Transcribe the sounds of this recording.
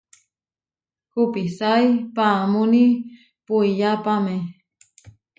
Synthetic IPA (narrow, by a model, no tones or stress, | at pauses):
kupisajpamuni | puijapamẽ